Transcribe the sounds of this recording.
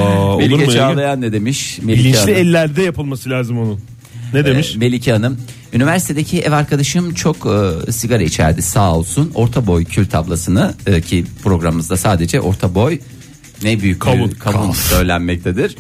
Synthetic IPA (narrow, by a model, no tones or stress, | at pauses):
oeliet͡ʃaːlˠajanːed̪e̞miʃmelʲiianʲiɛlʲːæɾd̪ɛjapɯlˠmasɯlʲaːzɯmonu | ned̪eiʃme̞lʲicʰanɯm | ynivæɾsi̥t̪ʰe̞d̪ecʰiʔɛvaɾkʰad̪aʃɯmt͡ʃʰo̞kːsiɡaɾait͡ʃʰæ̰ɾd̪isaːolˠsuno̞ɾt̪ʰabo̞jcʰylʲt̪ʰablˠasɯnɯːcʰipʰɾo̞ɡɾamɯmɯzd̪asaːd̪e̞d͡ʒɛʔo̞̰ɾt̪ʰabo̞j | nɛbyjyc̚ʰakʰabunsøjlʲænmɛc̚t̪ʰed̪iɾ̥